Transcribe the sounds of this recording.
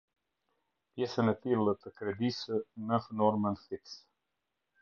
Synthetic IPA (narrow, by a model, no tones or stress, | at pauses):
pjɛsənɛt̪ilˠət̪əkɾɛd̪isənəfnɔɾmənfiks